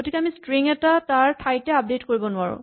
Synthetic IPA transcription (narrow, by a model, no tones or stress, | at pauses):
ɡotikɛamistɹiŋɛtataɹpʰajtɛap̚detkoɹibɔnʊaɹʊ̰̃